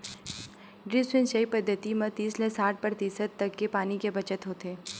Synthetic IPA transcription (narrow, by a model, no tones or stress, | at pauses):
ɖɾiːswɪnʃɐipəd̪ʱːət̪imɐt̪iːslesaːʈ̚ʰpəɾt̪iːsət̪ːɐkːepaːnikebɐt͡ʃət̪ɦoːt̪eː